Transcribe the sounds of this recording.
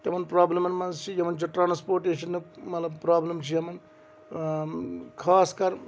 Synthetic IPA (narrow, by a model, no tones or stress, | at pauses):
t̪ɐmɐnpɾaːblɐmɐnmɐnt͡ʃʰijɐmɐnt͡ʃʰoʈɾaːnspoːɾʈeːʃɐnːumɐt̪lɐbpɾaːblɐmt͡ʃʰijɐmɐn | kʰaːskɐɾ